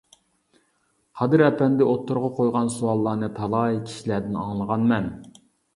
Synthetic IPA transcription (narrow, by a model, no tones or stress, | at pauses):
qʰɑd̪ɨɾɛpɛnd̪ɛʔot̪ʰːʊɾʁɑqʰojʁɑnsuɑlˠːɑːnɨt̪ʰɑlˠɑjkʲʰi̥ʃilæd̪ɪnɑ̰ŋlˠəʁɑnmɛn